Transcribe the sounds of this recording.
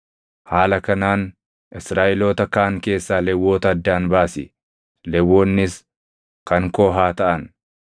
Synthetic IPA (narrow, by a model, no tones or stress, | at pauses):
haːlɐkɐnaːn | ɪsɾaːʔɪlo̞ːt̪ɐkaːŋke̞ːsːaːlɛwːoːt̪ɐɐd̪ːaːnbaːsɪ̰ | lɛwːoːnːɪs | kɐŋkoːɦaːt̪ɐʔɐn